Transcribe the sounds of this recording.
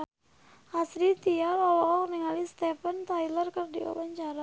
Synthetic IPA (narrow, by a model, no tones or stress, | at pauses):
hasɾit̪ialɔwɔkɔkniŋalist̪ɛfənt̪ajlərkərdia̰waɲt͡ʃaɾa